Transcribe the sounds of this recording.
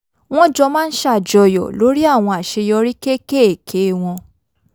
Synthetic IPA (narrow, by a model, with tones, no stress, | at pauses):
w̃ɔ̃˦d͡ʒɔ˧mãː˦n̩˦ʃa˦˨d͡ʒɔ˧˨jɔ̰˨lo˨˦ɾi˦a˦˨w̃ɔ̃˧a˨ʃe˧jɔ˧ɾi˦ke˦ke˦˨kʰe˨˦w̃ɔ̃˧